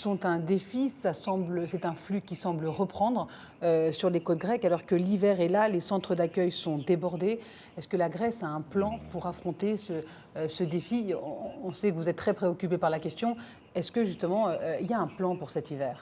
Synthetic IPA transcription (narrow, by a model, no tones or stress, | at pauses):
sɔ̃t̪ɛ̃d̪efisasɑ̃bləsɛt̪ɛ̃flykʲisɑ̃bləʁəpχɑ̃d̪ʁ | øsyʁlekot̪̚ɡʁɛkalɔʁkəlivɛʁɛlalesɑ̃t̪χəd̪akʲœjsɔ̃d̪ebɔʁd̪e | ɛskəlaɡʁɛsaɛ̃plɑ̃puʁafχɔ̃t̪esə | səd̪efiɔ̃sɛkəvuzɛt̪t̪ːχɛpχeɔkʲypepaʁlakʲɛst̪jɔ̃ | ɛskəʒyst̪əmɑ̃iljaɛ̃plɑ̃puʁsɛt̪ivɛːʁ